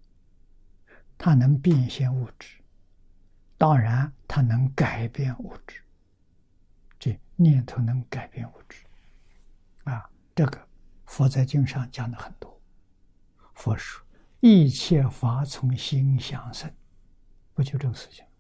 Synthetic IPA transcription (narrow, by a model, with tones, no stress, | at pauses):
t̪ʰa˥nɤ˧˥ŋpi˥˧ŋɕɛ˥˧nu˥˩ʈ͡ʂɻ̩̥˥˧˩ | t̪ɑ˥ŋɻa˧˥nt̪ʰa˥nɤ˧˥ŋka˨˩ɪpjɛ˥˧nu˥˩ʈ͡ʂɻ̩̥˥ | t͡se˥˩njɛ˥˩nt̪ʰo˧˥ʊnɤ˧˥ŋka˨˩ɪpjɛ˥˧nu˥˩ʈ͡ʂɻ̩̥˥ | a˧˩ | ʈ͡ʂɤ˥˩ɡə˩ | fwɔ˧˥t͡sa˥˧ɪt͡ɕi˥˧ŋʂɑ˥˩ŋt͡ɕjɑ˥˩ŋd̪ə˧˩xə˨˩nt̪wɔ˥ | fwɔ˧˥ʂu̥˥˩ | i˥˧t͡ɕʰjɛ˥˩fa˧˥t͡sʰʊ˧˥ŋɕi˥ŋɕjɑ˥˩ŋsə˥˩n | pu˧˥˩t͡ɕjo˥˧ʊʈ͡ʂɤ˥˩ɡə˧˩ʂɻ̩˥˩t͡ɕʰi̥˨˩ŋ